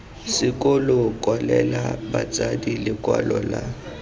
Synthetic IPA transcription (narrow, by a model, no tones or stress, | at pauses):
sɪkʼolokʼwalɛlabat͡sʼadilɪkʼwa̰lɔla